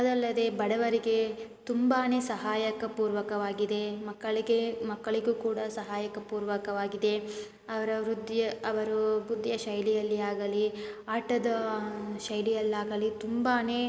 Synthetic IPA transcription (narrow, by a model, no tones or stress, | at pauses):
ɐd̪ɐlːɐd̪e̞bɐɽɐʋɐɾiɡe̞t̪umbaːne̞ːsɐɦaːjɐkɐpuːɾʋɐkɐʋaːɡid̪e̞mɐkːɐɭiɡemɐkːɐɭiɡuːkuːɽɐsɐɦaːjɐkɐpuːɾʋɐkɐʋaːɡid̪e̞ | ɐʋɐɾɐɾud̪jɐɐʋɐɾubud̪ːjɐʃɐjlijɐlːiaːɡɐliaːʈɐd̪ɐʃɐjlijɐlːaːɡɐlit̪umbaːneː